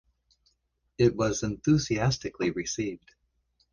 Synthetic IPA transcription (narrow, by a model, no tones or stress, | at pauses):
ɪt̚wʌzɨ̃nθʉziæstɨkliɹɨsivd̥